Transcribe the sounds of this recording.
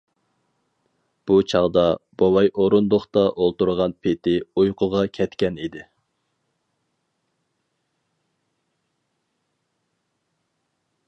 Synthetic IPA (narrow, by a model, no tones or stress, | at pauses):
b̥ut͡ʃʰɑʁd̪ɑb̥owɑjʔoɾund̪oχt̪ɑʔolˠt̪uɾʁɑnpʰet̪ʰɪujqʰʊʁɑkʲʰɛt̪kʲɛnid̪ɪ